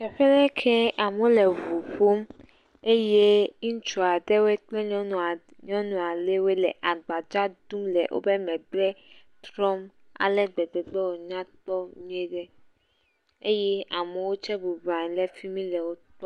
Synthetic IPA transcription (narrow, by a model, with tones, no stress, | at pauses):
ʃɛ˨ɸɛ˦lɛ˦kʰɛ˦a˨mõ˦lɛ˨vu˨ɸu˦m | e˦je˦ŋũ˦t͡ʃu˨a˨ɖɛ˦wo˦ɛ˦k͡plɛ˦ɲɔ̃˦˨ | ɲɔ̃˦nũ˨a˨le˦we˦lɛ̰˨ʔa˨ɡ͡ba˨d͡ʒa˦d̪ũ˦mlɛ̰˨ʔo̰˦bɛ˦mɛ̃˨blɛ˦t̪ɾɔ˦m | a̰˨lɛ˦ɡ͡bɛ˨dɛ˨ɡ͡bɛ˦wo˨ɲã˦t̪ɔ˦mĩ˦e˦ɖɛ˦ | e˦jɛ˦a˨mɛ˨wo˦t͡ʃɛ˦bu˨bã˨ɲĩ˨lɛ˦fi˦mĩ˦lɛ˨wo˦t̪ɔ˦